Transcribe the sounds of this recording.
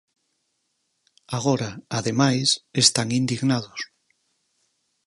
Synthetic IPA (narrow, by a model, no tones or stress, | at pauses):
aɣ̞oɾaaðemajsest̪aŋind̪iɣnað̞os